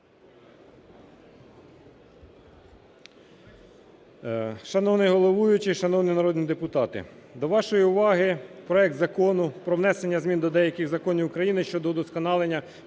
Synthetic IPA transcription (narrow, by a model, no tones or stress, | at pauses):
ʃɐnɔwnɪjɦɔlˠɔʋujʊt͡ʃɪʃɐnɔwninɐɾɔd̪nʲid̪epʊt̪ɑt̪ɪ̰d̪ɔʋɑʃɔjiʊʋɑɦɪpɾɔɛk̚t̪zɐkɔnʊpɾɔʋnɛsenʲːɐzmʲind̪ɔd̪ɛjɐkʲɪɣzɐkɔnʲiwʊkɾɐjinɪʃt͡ʃɔd̪ɔd̪ɔskɔnɑlˠenʲːɐ